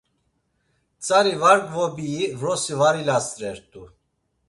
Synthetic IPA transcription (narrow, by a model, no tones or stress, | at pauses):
t͡sʼaɾivaɾɡʼvɔbiːvɾɔsivaɾilasɾɛɾt̪ʼu